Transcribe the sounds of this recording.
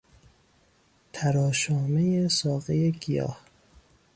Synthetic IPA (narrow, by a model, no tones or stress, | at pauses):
t̪ʰæɾɒːʃɒːmejesɒːɣejeɡijɒ̰ːh